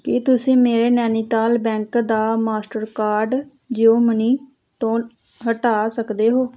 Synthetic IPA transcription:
kɪt̪ʊsĩːmeːɾeːnɛːniːt̪aːlbɛ̃ːŋkd̪aːmaːsʈəɾkaːɾɖ | d͡ʒeoːməniː | t̪õː | ɦəʈaːsəkd̪eːɦoː

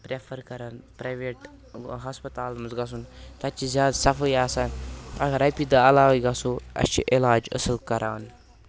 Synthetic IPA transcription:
pɾefʰəɾkɐɾaːnpɾajʋeʈ | ɦaspət̪aːlmɐzɡɐs̬unt̪at͡ʃizʲaːd̪sɐfəjaːsaːnɐ̰ɡɐɾɐjpid̪aɐlaːʋiɡasoɐ̰st͡ʃḭʔilaːd͡ʒə̰səlkɐɾaːn

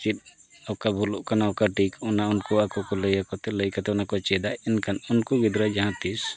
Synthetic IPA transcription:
t͡ʃit̪̚ | awkabʱuluʔkanawkaʈikɔnaunkuakɔkɔləjakɔt̪ɛləjkat̪ɛɔnakɔt͡ʃɛd̪aɛnkanunkuɡid̪ɾad͡ʒaɦãt̪is

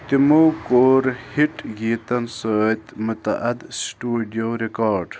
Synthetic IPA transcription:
t̪imowkoːɾhiʈɡiːt̪ɐnsət̪mut̪ɐ̰ʔɐd̪sʈuːɖijoɾekaːɾɖ

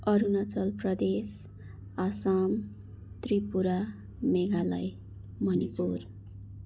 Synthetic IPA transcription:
ʌɾunʌt͡sʌlprʌd̪es | asam | t̪ripuɾa | meɡalaj | mʌnipur

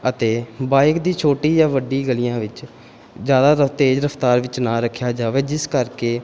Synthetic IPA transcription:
ət̪eːbaːɪkd̪iːt͡ʃʰoːʈiːjaːʋəɖiːɡəlɪjãːʋɪt͡ʃ | zjaːd̪aːɾət̪eːd͡ʒɾəpʰt̪aːɾʋɪt͡ʃnãːɾəkʰːjaːd͡ʒaːʋeːd͡ʒɪskəɾkeː

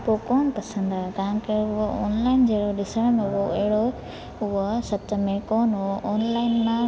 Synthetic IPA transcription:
poːkoːnpɐsə̃nd̪aːɦet̪ɐʋãkeʊɦoɔ̰ːnlaːɪnd͡ʑeɦɽoɗɪsəɽ̃mʊɦoɐɦɪɽo | ʊɦosɐt̪̆mẽkoːnʊɦoʔɔːnlaːɪnmã

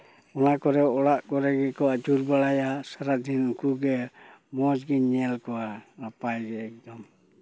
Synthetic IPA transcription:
ɔnakɔɾɛɔlaʔɡɔɾɛɡɛkɔad͡ʒuɾbalajasaɾadinukuɡɛmɔd͡ʒɡiɲɛlkɔwaɾapajɡɛːk̚dɔm

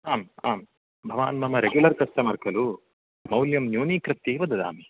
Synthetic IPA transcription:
aːmaːm | bʱɐʋaːnmɐmɐɾeɡjulɐɾk̪ɐstɐmɐɾkɐlu | mɐwljɐmnjuːnikɾɨt̪jiːʋɐd̪ɐd̪a̰ːmi

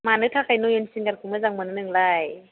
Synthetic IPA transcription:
manɯtʰakajnujunsiŋɡankʰumɯzaŋmɯnanɯŋlaj

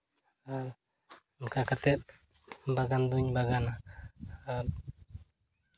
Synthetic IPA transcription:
a | mkakat̪ɛt̚ | baɡand̪uɲbaɡana | a

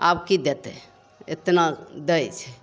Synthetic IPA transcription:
abkid̪et̪ɛ | ḛt̪nad̪ɛjt͡ʃʰɛ

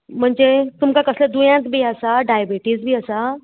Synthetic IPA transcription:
m̤əɳd͡zet̪umkakəsled̪ujãt̪bʱiːəsaɖajəbiʈiːsbʱiːəsa

